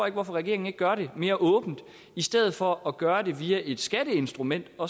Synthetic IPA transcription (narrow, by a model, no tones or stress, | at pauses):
eɡ̥ʋɒfɒʁɛɡ̥e̝ɐeŋn̩e̝ɡ̥̚ɡɶɐɾe̝me̝ːɐʔɔ̽ːb̥n̩d̥ | isd̥eð̰ˠð̩ˠfɒ̽ɒɡ̥ɶːɐde̝ʋiːæʔe̝d̥sɡ̥æɾ̥əe̝nsd̥ʁumen̰d̥ɒ̽